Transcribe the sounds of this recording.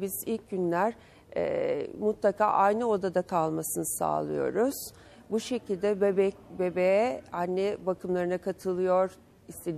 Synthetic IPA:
bizilʲc̚ɟynlʲæɾ̥ | ɛ̰ːmut̪lˠakʰa̰ːʔajnɯo̞d̪ad̪akʰalˠmasɯnɯsa̰ːlˠɯ̰jo̞̰ɾuz̥ | buʃe̞cilʲd̪ɛbebɛcbebejɛanːɛbakʰɯmlˠaɾɯnakʰat̪ʰɯlˠɯjo̞ɾ̥ | ist̪ʰed̪

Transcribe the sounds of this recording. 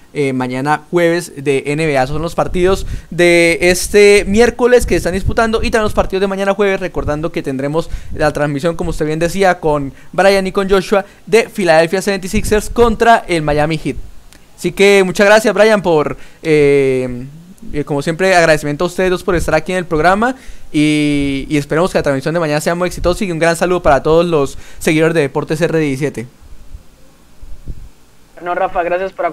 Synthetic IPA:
emaɲanaxwe̞βe̞zd̪e̞ʔeneβeaesosonlo̞spaɾt̪iðo̞sd̪e̞est̪emje̞ɾko̞leskeest̪and̪isput̪and̪o̞ʔit̪amjelospaɾt̪iðoðdemaɲanaxwe̞βe̞sre̞ko̞ɾðand̪o̞ke̞t̪e̞nd̪ɾe̞mo̞slat̪ɾanzsmisjo̞ŋkomoust̪eβjend̪e̞siako̞nbɾajaniko̞nd͡ʒo̞ʃua | ðe̞filaðe̞lfjaseent̪isikseɾsko̞nt̪ɾaʔe̞lmajamixit̪̚ | asike̞mut͡ʃazɣɾasjazβɾajampo̞ɾe | ko̞mosje̞mpɾe̞aɣɾaðesimjent̪oaust̪e̞ðospo̞ɾe̞st̪aɾakie̞ne̞lpɾo̞ɣɾamaiː | e̞spe̞ɾemoskelat̪ɾanzmisjond̪e̞maɲanase̞amujeksit̪osaiuŋɡɾansaluðo̞paɾat̪o̞ð̞o̞zlo̞sːe̞ɣiðoɾe̞zd̪e̞epo̞ɾt̪e̞s̬ereðjesis̬je̞t̪e | norafaɣɾasjaspoɾa

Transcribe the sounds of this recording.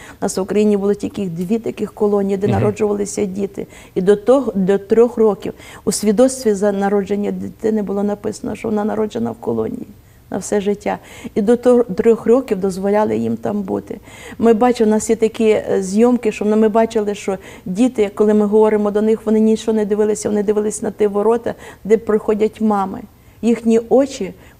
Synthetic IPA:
ʊnɑsʋʊkɾɐjinʲibʊlˠɔtʲikʲixd̪ʋʲit̪ɐkɪxkɔlˠɔnʲijid̪ɛnɐɾɔd͡ʒʊʋɐlˠɪsʲɐdʲit̪ɪ̰ | id̪ɔt̪ɔɦd̪ɔt̪ɾʲɔxrɔkʲiwusʲʋʲid̪ɔst̪ʲʋʲizɐnɐɾɔd͡ʒenʲːɐd̪ʲɪt̪ɪnɪbʊlˠɔnɐpɪsɐnɔ̰ʃt͡ʃɔʋɔnɑnɐɾɔd͡ʒenɐ̰wkɔlˠɔ̰nʲḭji | nʔɐ̰wsɛʒɪtʲːaid̪ɔt̪ɔt̪ɾʲɔxrɔkʲiwd̪ɔzʋɔlʲɑlˠɪjimt̪ɑmbut̪ɪmɪbɑt͡ʃɪnɑsjɛt̪ɐkizʲjɔmkɪʃt͡ʃɔnmɪbɑt͡ʃɪlˠɪʃt͡ʃɔ | dʲit̪ɪkɔlˠɪmɪɦɔʋɔɾɪmɔd̪ɔnɪxʋɔnɪnʲiʃɔnɛd̪ɪʋɪlˠɪsʲɐʋɔnɪd̪ɪʋɪlˠɪsʲnɐt̪ɪʋɔɾɔt̪ɐd̪ɛpɾɪxɔdʲɐtʲmɑmɪ̰ | jixnʲiɔt͡ʃʲi

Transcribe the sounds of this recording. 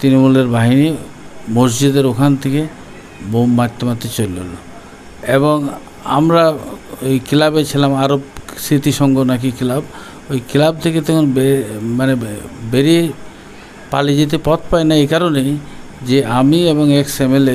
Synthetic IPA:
t̪ɾinomuleɾbaɦini | mosd͡ʑid̪eɾokʰant̪ʰeke | bomːat̪ːomat̪ːet͡ɕolːo̰lo | eβoŋ | a̰mɾaojkilabet͡ɕʰilamaɾobsɾit̪iʃɔŋɡonak̬ikilab | ojkilab̚t̪ʰeket̪ɛkʰonbemanebeɾie | palid͡ʑit̪̬epɔt̪ʰpaenaejkaɾone | d͡ʑeamieboŋeksemele

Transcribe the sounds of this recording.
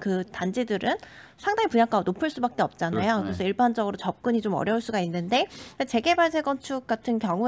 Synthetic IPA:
kɯtand͡ʑidɯɾʔɯnsʰaŋdaŋipuɲjak͈aonopʰɯɭs͈ubak̚k͈e̞ʌp̚t͡ɕ͈anajokɯɾesʰʌiɭband͡ʑʌɡɯɾot͡ɕʌp̚k͈uɲit͡ɕomʌ̰ɾjʌuɭs͈uɡainːɯnde̞et͡ɕe̞ɡe̞baɭsʰeɡʌnt͡ɕʰuk̚k͈atʰɯnkjʌŋu

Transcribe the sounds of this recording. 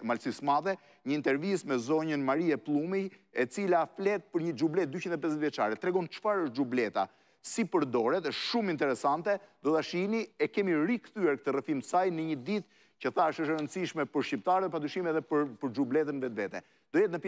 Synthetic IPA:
malsismaðɛ | ɲəint̪ɛɾvismɛzɔɲənmaɾiɛplˠumiɛt͡silaflɛt̪̚pəɾɲəd͡ʒublɛt̪̚d̪ycind̪ɛp̬ɛzɛt̪vjɛt͡ʃa̰ɾɛt̪ɾɛɡɔnt͡ʃfaɾəʃd͡ʒublɛt̪a̰ | sipəɾd̪ɔɾɛt̪ɛʃumint̪ɛɾɛsant̪ɛd̪ɔt̪aʃiniɛkɛmiɾikθyɛɾk̚t̪ərɛfiməsajnəɲəd̪it̪ | cəθaəʃəʃəɾənt͡siʃmɛpəɾʃcipt̪aɾəpad̪yʃimɛðɛpəɾpəɾd͡ʒublɛt̪̬ənvɛt̪vɛt̪ɛ | d̪̥ɔjɛt̪nəp

